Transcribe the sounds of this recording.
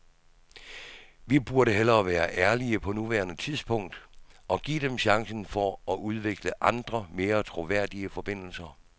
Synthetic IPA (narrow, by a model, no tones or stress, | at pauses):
ʋib̥uɐɾəɦel̰ɐːʋæːɐʔæɐliəpʰɒ̽nuʋæːɐnət͡sʰiðˠsb̥ʰɔ̽ŋ̰d̥ʔɒ̽ɡ̥ḭːd̥emɕɑ̈ŋsn̩fɒɒʔuð̞ˠʋe̝ɡ̥ləʔɑ̈nd̥ʁɐme̝ːɐt͡sʰʁo̝ʋæɐ̰d̥iəfɒ̽b̥e̝n̰l̩sɐ